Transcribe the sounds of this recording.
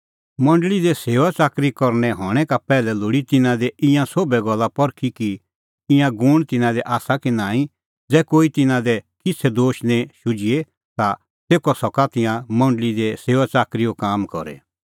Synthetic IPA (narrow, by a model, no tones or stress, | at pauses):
mɐ̃ɳɖlid̪ɛseːʋat͡saːkɾikɔɾnɛ̃ɦɔ̃ːɛkapɛːlɛloːɽit̪ɪnãd̪ɛʔɪ̃jãsobɛɡɔlːapɔɾkʰiki | ɪ̃jãɡʊɽ̃t̪ɪnãd̪ɛʔaːsakinaːĩ | d͡zɛːkoːit̪ɪnãd̪ɛkɪt͡sʰɛd̪oːʃnɛ̃ʃʊd͡ʒie | t̪a | seːkɔsɔkat̪ɪ̃jãmɐ̃ɳɖəlid̪ɛseːʋat͡saːkɾijokaːmkɔ̰ɾɛ̰